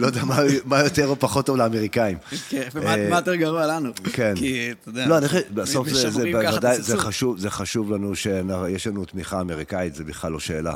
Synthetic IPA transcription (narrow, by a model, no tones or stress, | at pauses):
lojd̪eamamajo̞t̪eʁopaχo̞tːovleameʁikaimkmajt̪eʁɡɐʁualanukenkitdloaniχaʃbaso̞fzezebavad̪ajzeχaʃuvzeχaʃuvlanuʃenajeʃlanut̪miχaːmeʁikait̪zebiχlalːo̞ʃe̞ːla̰